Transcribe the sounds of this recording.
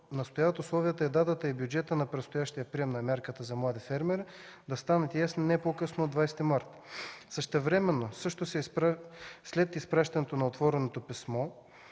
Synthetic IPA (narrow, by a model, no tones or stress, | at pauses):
nɐst̪ojavət̪ʊslˠɔvijət̪əɛd̪at̪ət̪əibjud͡ʒɛt̪ənɐpɾɛt̪st̪ojaʃt̪ijəpɾiɛmnɐmʲaɾkət̪əzɐmlˠad̪ifɛɾmɛɾ | d̪ɐst̪anɛt̪jɛsnnɛpokɤsnoːd̪vajsɛ̥t̪imaɾt̪ | səʃt̪ɛvɾɛmɛnːosɤʃt̪osɛpslɛt̪ispɾaʃt̪ɐnɛt̪onɐot̪vɔɾɛnot̪opismɔ